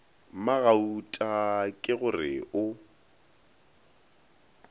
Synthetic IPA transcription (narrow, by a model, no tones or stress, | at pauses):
maɣautʼakʼɪɣʊrɪʔʊ